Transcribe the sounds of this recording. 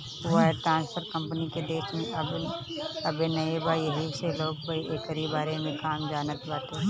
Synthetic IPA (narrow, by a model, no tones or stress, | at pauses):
ʊaɦɛʈɾãːnspʰəɾkɐ̃mpəniked̪eːʃmẽɐb | ɐbenɐebaːjəɦiseloːɡpoiʔeːkəɾibaːɾemẽkaːmd͡ʒaːnət̪baːt̪e